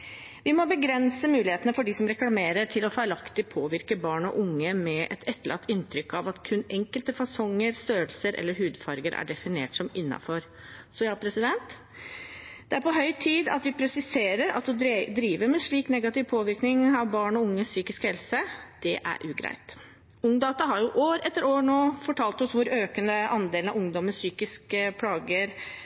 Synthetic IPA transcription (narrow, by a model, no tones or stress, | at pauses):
ʋɪmɔbəɡɾɛnsəmʉːlɪheːt̪ənəfɔɖisɔmɾɛklɑmeːɾəʈʰɪlɔfɑːɛlɑkt̪ɪpʰoːʋɪɾkəbɑːɳɔ̰ʔʊŋːəmɛʔɛ̰t̪ʰɛt̪ːəlɑ̰k̚t̪ɪnːt̪ʰɾʏkːɑʋɑt̪kʰʉnɛŋkəlt̪əfɑsɔŋːəɾst̪øːəlsəɾʔɛ̰lːəɾɦʉːd̪fɑɾɡəɾʔæ̰ɖɛfɪnḛːʈsɔmɪnːɑ̰fɔɾ | sɔɑːpʰɾɛsɪd̪ɛnt̪ | d̪̥ɛæɾpɔɦœʏt̪ʰiːd̪ɑ̰t̪ʋɪpʰɾɛsɪseːɾəɾɑ̰t̪sɔd̪ɾiːʋəɾmɛʂɭiːknɛɡɑt̪ɪʋpʰoːʋɪɾknɪŋɑʋbɑːɳɔʊŋːəssyːkɪskhɛlsəd̪̥ɛʔæ̰ɾʔʉːɡɾæ̰ɪt̪ | ʊŋd̪ɑːt̪ɑɦɑɾjʊʔoːɾɛt̪ːəɾoːɳoːfɔʈʰɑːlt̪ɔsʋʊɾøːkənəʔɑnd̪eːlnɑʊŋd̪ɔməsyːkɪskəpʰlɑːɡəɾ